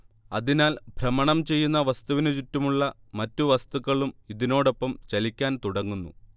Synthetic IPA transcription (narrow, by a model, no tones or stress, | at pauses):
ɐðinaːlbʱrɐmɐɳɐmt͡ɕe̞jːunːɐʋɐst̪uʋinɨt͡ɕutːumuɭːɐ | mɐtːuʋɐst̪uɣɐɭumiðino̞ːɽo̞pːɐmt͡ɕɐlikʲːaːnt̪uɽɐŋːunːṵ